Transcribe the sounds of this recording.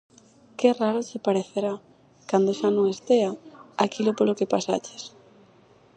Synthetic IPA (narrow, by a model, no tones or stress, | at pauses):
kɪraɾʊt͡ʃɪpaɾeθeɾa | kand̪oʃanõŋest̪eaakilopolokepasa̰t͡ʃɪ̥s